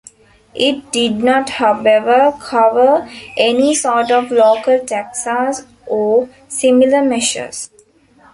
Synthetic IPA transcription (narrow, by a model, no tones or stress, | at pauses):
ʔɪʈ̚ɖɪɖnɔːʈhaʊeʋəɾkʰʌʋəɾʔenisɔːɾʈɔʋloːkəlʈæksas | ɔː | similəmeʃə̰s